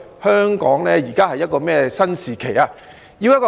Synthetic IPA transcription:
hœː˥ŋkɔː˨˥ŋlɛː˥jiː˨˩kaː˥hɐ˨jːɐ˥t̚kɔː˧mɛː˥sɐ˥nsiː˨kʰe˨˩jaː˧ | ji˧wjɐ˥tkɔ˧

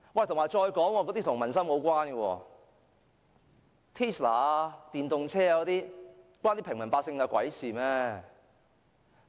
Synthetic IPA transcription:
wɐ˨˩t̪ʰʊ˨˩ŋmaː˨˩jt͡ʃɔː˧jkɔː˨˥ŋwɔː˧kɔ˨˧˥t̪iː˥t̪ʊ˨˩ŋmɐ˨˩nsɐ˥mo˨˧wkʷaː˥nɡə˧wɔ̰ː˧ | t̪ʰiː˥slaː˨˩t̪iː˨˩nt̪ʊ˨ŋt͡sʰɛː˥a˨kɔ˨˧˥t̪iː˥ | kʷaː˥nt̪iː˥pʰɪ˨˩ŋmɐ˨˩npaː˧k̚sɪ˧ŋkɐ˧kwɐ̰˨˥jsiː˨mɛː˥

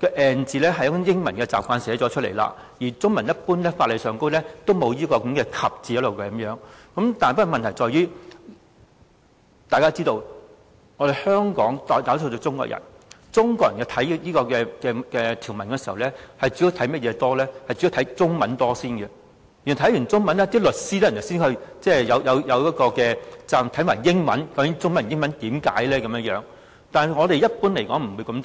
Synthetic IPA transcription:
kɛ˧ʔɛː˨nt͡siː˨lɛː˥ɦɐ˨jɐ˥kʊ˥jɪ˥ŋmɐ̰˨˩nkɛː˧t͡saː˨p̚kʷaː˧nsɛː˨˥t͡sɔː˨˥t͡ʃʰɵ˥t̚lḛ˨˩jla̰ː˧ | jiː˨˩t͡sʊ˥ŋmɐ˨˩njɐ˥t̚puː˥nlɛː˥faː˧t̚le˨jsœː˨˧ŋko˥wlɛː˥t̪o˥wmo˨˧wjiː˥kɔː˧kɐ˨˧˥mkɛː˧kʰɐ˨p̚t͡siː˨jɐ˥lo˨wkɛ˧ɐ˨˦mjœː˨˥ŋkɐ˨˥mt̪aː˨npa˥˧mɐ˨nt̪ʰɐ˨˩jt͡sɔː˨˧jyː˥ | t̪aː˨jkaː˥t͡siː˥t̪o˧w | ŋɔ˨˧ɾe˨jhœː˥ŋkɔː˨˥ŋt̪ːt̪aː˨˥so˧to˨˧˥t͡sʊ˥ŋkɔ̰ː˧˨kjʔɐ̰˨˩nt͡sʊ˥ŋkɔː˧jɐ̰˨˩jkɛ˧t̪ʰɐ˨˥jjiː˥kɔː˧kɛː˧kɛː˧kɛː˧t̪ʰi˨˩wmɐ˨˩nkɛː˧si˨˩hɐ˨˩wlɛː˥hɐ˨jt͡syː˨˥jo˧wt̪ʰjmɐ˥t̚jɛː˨˧t̪ɔː˥lɛː˥hɐ˨jt͡sy˨˥jt̪ʰɐ˨˥jt͡sʊ˥ŋmɐ˨˥nt̪ɔː˥siː˥nɡɛ˨ | jy˨˩n˨˩t̪ʰjy˨˩nt͡sʊ˥ŋmɐ˨˥nlɛː˥t̪iː˥lɵ˨t̚siː˥t̪ɛː˥jnː˨˩wsiː˥nhɵ˧ɥt͡sɛː˥˩jɐ˨˧wjɐ˨˧wjɐ˨˧wjɐ˨˥t̚kɔː˧kɛː˧t͡saː˧mt̪ʰɐ˨˥jmaː˨˩jɪ˥ŋmɐ̰˨˥nkɐ˨˥wkɪ˨˥ŋt͡sʊ˥ŋmɐ˨˩njɪ˥ŋmɐ˨˦nt̪iː˨˧˥mka̰ː˨˥jlɛː˥kɐ˨˦mjɐ˥jœː˨˥ŋ | t̪aː˨n˨ŋɔː˨˧ɾe˨jɐ˥t̚puː˥nle˨˩jkɔː˨˥ŋm̩˨˩wu˨˧jkɐ˨˧m

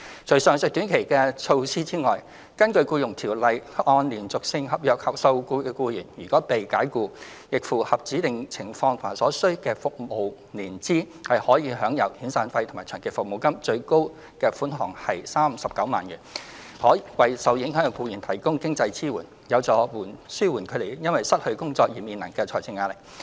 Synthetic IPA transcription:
t͡ʃʰɵ˨˩sœː˨ŋsɵ˨˧k̚t̪yː˨˥nkʰe˨˩jkɛː˧t͡sʰo˧wsiː˥t͡siː˥ŋɔː˨j | kɐ˥nkɵ˧ɥkuː˧jʊ˨˩ŋt̪ʰiː˨˩wlɐ˨jʔɔː˧nliː˨˩nt͡sʊ˨k̚sɪ˧ŋhɐ˨p̚jœː˨k̚hɐ˨k̚sɐ˧wkuː˧kɛ˧kuː˧jyː˨˩njyː˨˩kɔː˨˥pe˨jkaː˨˥jkuː˧ | jɪ˨k̚fuː˨˩hɐ˨p̚t͡siː˨˥t̪ɪ˨ŋt͡sʰɪ˨˩ŋfɔː˧ŋt̪ʰːa˨˩sɔː˨˥sɵ˥ɥkɛː˧fʊ˨k̚mo˨˩w | niː˨˩nt͡siː˥ | hɐ˨jhɔː˨˥jiː˨˧ɦœː˨˥ŋjɐ˨˩whiː˨˥nsaː˨˧nfɐ˧jt̪ʰʊ˨˩maː˨˩jt͡ʃʰœː˨˩ŋke˨˩fʊ˨k̚mo˨˩wkɐ˥mt͡ʃɵ˧ɥko˥w | kɛː˧fuː˨˥nɦɔː˨˩ŋhɐ˨jsaː˥m̩˨sɐ˨p̚kɐ˨˥wma̰ː˨˩njyː˨˩n | hɔː˨˥˨wɐ˨jsɐ˨wjɪ˨˥ŋhŋ˧kuː˧jiː˨˩nt̪ʰɐ˨˩jkʊ˥ŋkɪ˥ŋt͡sɐ˧jt͡sʰiː˥wuː˨˩n | jɐ˨˧wt͡sɔː˨˥wuː˨˩nsyː˥wuː˨˩nkʰɵ˨˧t̪e˨˩jjɐ˥nwɐ˨jsɐ˥t̚hɵ˧ɥkʊ˥ŋt͡sɔː˧k̚jiː˨˩miː˨nlɐ˨˩ŋkɛː˧t͡sʰɔː˨˩t͡sʰɪ˧ŋːaː˧lɪ˨˩k̚

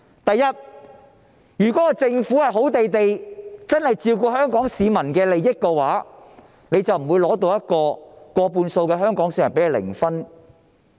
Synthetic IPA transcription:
t̪ɐ˨jːɐ˥t̚ | jyː˨˩kɔː˨˦˥kɔː˧t͡sɪ˧ŋfu˨˥hɐ˨˩jɦo˨˥wt̪e˨jt̪e˨jt͡sɐ˥nhɐ˨jt͡siː˧wkɔː˧hœː˥ŋkɔː˨˥ŋsiː˨˧mɐ˨˩nkɛː˧le˨jːɪ˥kːɛː˧waː˨˥ | ne˨˧jt͡sɐ˨wm̩˨˩wuː˨˧jlɔː˨˥t̪̬o˧wjɐ˥t̚kɔː˧kɔː˧puː˧nso˧wkɛː˧ɦœː˥ŋkɔː˨˥ŋsiː˨˥mɐ˨npe˨˥hɐ˨˧lɪ̰˨˩ŋfɐ˥n

